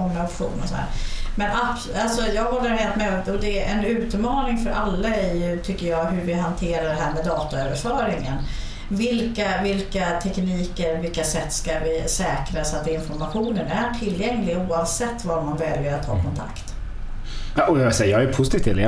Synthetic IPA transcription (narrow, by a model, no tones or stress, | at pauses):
ɔŋːaɔpɧṵːnɔ̰sɔhæ̰ːɾmɛnapsalsɔjɑːɡɦɔlːəɾheːlt̪mɛɔd̪ɛɛnʉ̟ːt̪mɑːnɪŋfœɾʔalːaæɾjɵt̪ʰʏkːəjɑːɡɦɵɾvɪɦant̪ʰeːɾaɖɛɦæːɾmɛd̪ɑːt̪aœːvəɾfœːɾɪŋən | vɪlkavɪlkat̪ʰɛkniːkəɾɔvɪlkasɛt̪ːskavɪsɛːkɾasat̪̚d̪ɛɪnfɔɾmaɧuːnənæʈʰɪlːjɛŋlɪɡuːavsɛt̪ːvaɾmanvɛljəɾat̪ʰːɑ̰ːkʰɔnt̪ʰa̰kt̪ | aʔɔjɛɪlsɛjajɑɡɛpʰʊsɪt̪ʰiːft̪ʰḛːl̰